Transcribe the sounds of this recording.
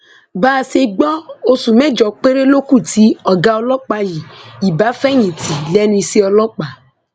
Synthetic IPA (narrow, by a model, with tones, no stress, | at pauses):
baː˦˨se˧ɡ͡bɔ˦o˧su˨mɛ˦d͡ʒɔ˨k͡pe˦ɾe˦lo˦ku˦˨tʰi˦ɔ˨ɡa˦ɔ˧lɔ˦k͡pa˧ji˨i˨ba˨˦fɛ˦ɲĩ˨ti˨lɛ˦nĩ˧si˦ɔ˧lɔ˦k͡pa˨